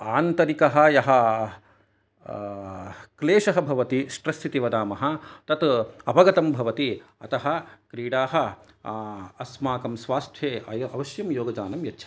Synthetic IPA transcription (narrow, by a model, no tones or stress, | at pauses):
aːnt̪ɐɾikɐɦɐ̆jɐɦɐ | kleːʃɐɦɐbʱɐʋɐt̪isʈɾɐsit̪iʋɐd̪aːmɐɦɐ̆t̪ɐt̪ɐpɐɡɐt̪ɐmbʱɐʋɐt̪iɐt̪ɐɦɐ̆kɾiːɽaːɦɐ̆ | ɐsmaːkɐmsʋaːst̪ʰjeːɐjɐʔɐʋɐʃjɐmjoːɡɐd͡ʒaːnɐmjɐtːʃʰɐ̥